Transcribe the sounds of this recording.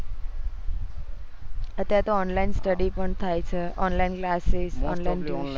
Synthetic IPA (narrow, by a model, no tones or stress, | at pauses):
ət̪jaɾet̪oɔnlainsʈəɽipəɳt̪ʰajt͡ʃʰeʔɔnlainklasesɔ̰nlainu